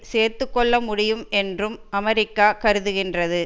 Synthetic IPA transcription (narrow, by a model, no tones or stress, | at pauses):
seːɾt̪ɯkːɔɭːɐmʊɽɪjɯmɛndrɯmɐmɐɾɪkːaːkɐɾɯðɯɣɪndrɐðɯ